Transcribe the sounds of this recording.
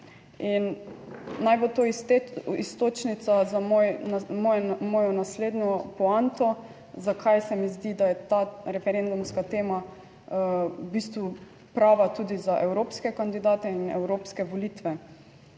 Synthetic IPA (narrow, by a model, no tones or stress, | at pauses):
inː | ajbot̪o | ist̪ot͡ʃnit̪sazamojmɔmɔːjɔnasleːd̪nʲjɔpɔant̪ɔ | zakʰajsɛmizd̪id̪ajɛt̪aɾɛfɛɾend̪umskat̪eːma | biːst̪ʋu | pɾaːʋat̪uːd̪izaʔɛwɾoːpskɛkand̪id̪aːt̪ɛinɛ̰wɾoːpskɛʋolit̪ʋɛ